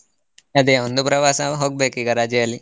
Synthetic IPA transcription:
ɐd̪eːond̪upɾɐʋaːsɐɦoːɡ̚beːkiɡɐɾaːd͡ʒɐali

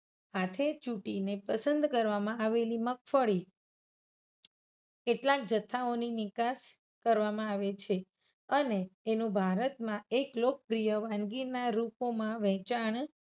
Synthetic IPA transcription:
ɦat̪ʰet͡ʃuʈinepəsənd̪kəɾʋamãaʋeliməkfəɭi | keʈlak̚d͡ʒət̪ʰːaoninɪkas | kəɾʋamãaʋet͡ʃʰe | əneːnũbʱaɾət̪mãeklok̚pɾijəʋãnɡiɾnaɾupomãʋɛ̃t͡ʃaɳ

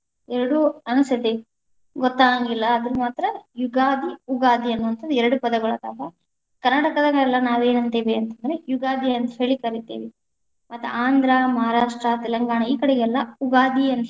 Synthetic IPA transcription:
ɛɾɐɽuɐnusɐd̪i | ɡɔt̪ːaːŋɡilːɐːd̪ɐɾumaːt̪ɾɐjuɡaːd̪iuɡaːd̪iɐnːuʋɐnt̪ʰɐnd̪uɛɾɐɽupɐd̪ɐɡɐɭɐd̪aːɡɐ | kɐɾnaʈɐkɐd̪ɐŋɡɛlːɐnaːʋe̞ːnɐnt̪eʋeɐnt̪ɐnd̪ɾejuɡaːd̪ʱiɐnt̪ɐ̥ɦeːɭikɐɾit̪eːʋe | mɐt̪ːuaːnd̪ʱɾɐmɐɦaɾaːʂʈɾɐt̪ɛlɐŋɡaːɳɐiːkɐɽɛɡɛlːɐuɡaːd̪iɐn

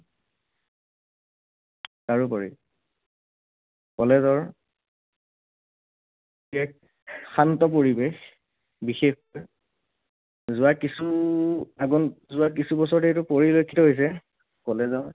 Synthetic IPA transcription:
taɹupaɹḭ | kɔlɛzɔɹ | ɛk̚ | xantɔpoɹibex | bixexkoj | zʊwakisu | aɡɔnzʊwakisubɔsɔɹtejtʊpoɹilojkʰːitɔɦojs̬ɛ | kɔlɛzɔɹ

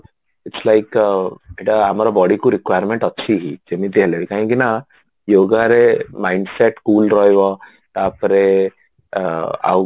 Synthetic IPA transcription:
ɪʈslaɪkbeʈaamaɾəbɔːɖikuɾɪkʋajəɾmẽɳʈətːʃʰiɦid͡ʒemĩt̪eɦleʋikaɦĩkina | joːɡaɾemaɪ̃ɳɖseʈkuːlɾɔjʋɔ | t̪aːpəɾe | a̰w

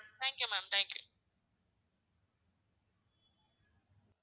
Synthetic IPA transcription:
t̪ʰɛ̃ŋkjumãmt̪ʰɛ̃ŋkjṵ

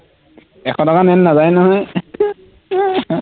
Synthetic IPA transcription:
ɛxʰɔ̃takanɛnːazajnɔɦɔj

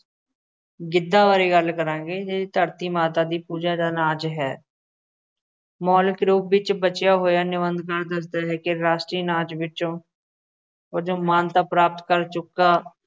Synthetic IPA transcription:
ɡɪd̪ːaːʋaːɾeːɡəlkəɾãːɡeːd͡ʒeiːt̪əɾt̪iːmaːt̪aːd̪iːpuːd͡ʒaːd̪aːnaːt͡ʃɦɛː | mɔːlɪkɾuːpʋɪt͡ʃbət͡ʃjaːɦoːjaːnɪʋənd̪kəɾd̪əsd̪aːɦɛːkɪɾaːsʈɾiːnãːt͡ʃʋɪt͡ʃõː | od͡ʒoːmaːnt̪aːpɾaːp̚t̪kəɾt͡ʃʊkːaː

